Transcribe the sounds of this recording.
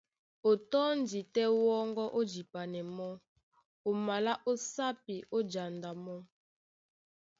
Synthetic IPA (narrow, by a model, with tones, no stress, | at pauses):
o˨tɔ˦ndi˨tɛ˦wɔ˦ŋɡɔ˦ʔo˦d͡ʒi˨pa˨nɛ˨mɔ˦ | o˨ma˨la˦ʔo˦sa˦pi˨ʔo˦d͡ʒa˨nda˨mɔ˦